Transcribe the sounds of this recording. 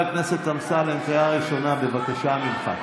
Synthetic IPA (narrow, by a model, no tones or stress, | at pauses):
lknese̞t̪amsalentajaʁiʃo̞nabe̞vakaʃamimχa̰